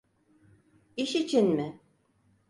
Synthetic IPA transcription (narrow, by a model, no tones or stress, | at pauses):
iʃit͡ʃʰinmɪ